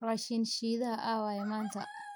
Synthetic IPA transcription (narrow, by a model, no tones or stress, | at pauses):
raːʃinʃiːðɐɦɐʔaːwaːjɛmaːnt̪ʰɐ̰